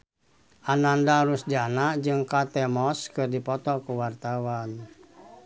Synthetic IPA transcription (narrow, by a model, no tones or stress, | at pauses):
ʔanandaɾusdianaʔd͡ʒɨŋkat̪ɛmɔskɨrdipɔt̪ɔkuwart̪awan